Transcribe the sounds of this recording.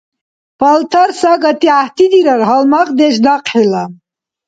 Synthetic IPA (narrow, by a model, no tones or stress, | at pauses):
pʰalt̪ʰaɾsaɡat̪ʰiaht̪id̪iɾaɾɦalmaχd̪ɛʃ̬d̪aqʼħila